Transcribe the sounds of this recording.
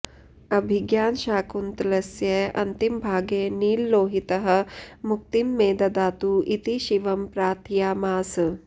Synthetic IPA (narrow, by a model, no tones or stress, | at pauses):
ɐbʱiɡjaːnʃaːkunt̪lɐsjɐɐnt̪imbʱaːɡeːniːlːoːɦit̪ɐɦɐ̆muk̚t̪imːeːd̪ɐd̪aːt̪uit̪iʃiʋɐmpɾaːt̪ʰijaːmaːs